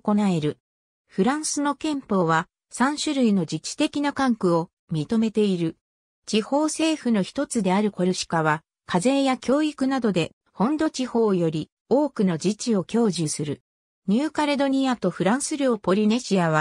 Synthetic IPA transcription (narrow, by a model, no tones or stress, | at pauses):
ko̞nae̞ɾɯ̟ | ɸɯ̟ɾãɰ̃sɨno̞kẽ̞mpo̞ːβa | sãɰ̃ɕɨɾɯ̟ino̞d͡ʑit͡ɕːi̥t̪e̞kʲinakãŋkɯ̟o̞ | mʲit̪o̞me̞t̪e̞iɾɯ̟ | t͡ɕiho̞ːse̞ːɸɯ̟no̞çi̥t̪o̞t͡sɨd̪e̞aɾɯ̟ko̞ɾɯ̟ɕi̥kaβa | kʰaze̞ːjakʲo̞ːikɯ̟nad̪o̞d̪e̞ | hõ̞nd̪o̞t͡ɕiho̞ːjo̞ɾʲi | o̞ːkɯ̟no̞d͡ʑit͡ɕio̞kʲo̞ːʑɨsɨɾɯ̟ | ɲ̟ɨːkaɾe̞d̪o̞ɲ̟iat̪o̞ɸɯ̟ɾãɰ̃sɨɾʲjo̞ːpo̞ɾʲine̞ɕiaβ̞a